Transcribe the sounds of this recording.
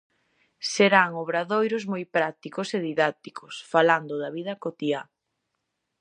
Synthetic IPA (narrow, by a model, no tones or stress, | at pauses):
seɾaŋoβɾaðojɾʊzmojpɾak̚t̪ikʊseðiðak̚t̪ikʰʊsfaland̪ʊðɐβið̞ɐkot̪ia